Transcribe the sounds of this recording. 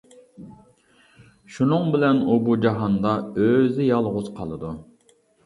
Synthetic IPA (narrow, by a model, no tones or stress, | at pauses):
ʃunɨŋbɪlɛnubud͡ʒɑɦɑnd̪ɑøzɪjɑlˠʁʊzqʰɑ̰lˠɨd̪u